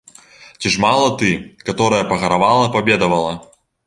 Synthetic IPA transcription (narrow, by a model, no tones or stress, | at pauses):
t͡sʲiʐmalˠɐt̪ɨkat̪ɔɾɐjɐpɐɣɐɾavalˠɐpabʲɛd̪ɐvɐlˠɐ